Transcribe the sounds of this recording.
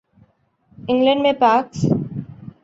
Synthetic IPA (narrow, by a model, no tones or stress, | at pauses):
ɪ̃ŋɡlə̃ɳɖmẽpaːks